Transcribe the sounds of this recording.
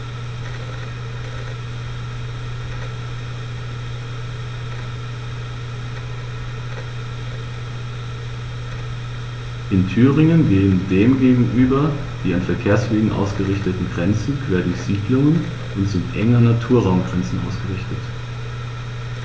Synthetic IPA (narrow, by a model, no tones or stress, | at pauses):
ʔɪntʰyːʁɪŋənɡeːəndeːmɡeːɡŋ̩ʔyːbɐ | d̥iːanfɛɐkʰeːɐsv̥eːɡŋ̩ʔa̰ʊsɡ̥əʁɪçtətn̩ɡʁɛnt͡sn̩kʰv̥eːɐdiːz̥iːdlʊŋən | ʔʊntt͡sʊʔɛŋɐnatʰuːɐʁaʊmɡʁɛnt͡sn̩ʔa̰ʊsɡ̥əʁɪçtət